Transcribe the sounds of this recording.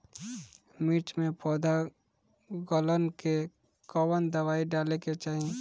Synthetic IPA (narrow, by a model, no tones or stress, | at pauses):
miːʈmẽpʰɔːd̪ʱa | ɡɔlənke | kɔːwənd̪əwaːiɖaːleket͡ʃaːɦie